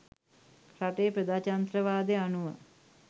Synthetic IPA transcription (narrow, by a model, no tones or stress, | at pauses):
kɾaʈeːpɾəd̪aːt͡ʃant̪ɾəʋaːd̪eanuʋə